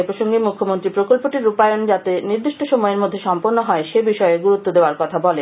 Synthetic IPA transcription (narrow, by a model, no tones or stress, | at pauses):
epɾoʃoŋɡemukʰːomont̪ɾipɾokolpoʈiɾupajond͡ʑat̪eniɾd̪iʃʈoʃomɔeɾmod̪ʱːeʃɔmpoɾnːoɦɔeʃebiʃɔeɡuɾut̪ːod̪eoaɾkɔt̪ʰabɔle